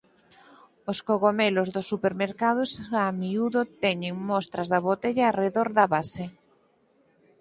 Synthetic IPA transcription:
oskoɣomelozðʊsːupeɾmeɾkað̞osamiuðot̪ɛɲeŋmɔst̪ɾɐzðɐβot̪eʎaːreðoɾðɐβase

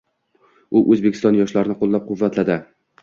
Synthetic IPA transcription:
ʊʔɵzbekʰʲɪ̥st̪ɒnjɒʃlaɾɪnɪqolˠːap̚qʰʊvːat̪lad̪ɪ

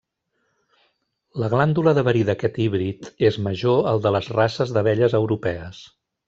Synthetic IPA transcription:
ləɣland̪uləðəβəɾiðəkɛt̪iβɾit̪ezməʒoəlˠd̪ələzrasəzðəβɛʎəzəwɾupɛəs

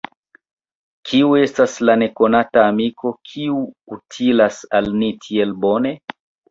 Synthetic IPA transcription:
kʰiue̞staslane̞ko̞nataːmiko̞kʰiuutʰilasalnitʰie̞lbo̞ne̞

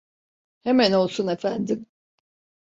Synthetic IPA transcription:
he̞mæno̞lˠsune̞fænd̪im

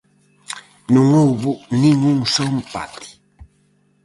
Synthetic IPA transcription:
nũŋowβunĩŋũŋsɔmpa̰t̪i̥

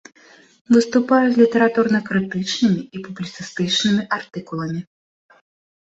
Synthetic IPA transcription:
vɨst̪upajuzʲlʲit̪ɐɾat̪urnɐkɾɨt̪ɨt͡ʂnɨmʲiipublʲit̪sɨst̪ɨt͡ʂnɨmʲiʔart̪ɨkulˠɐmʲi

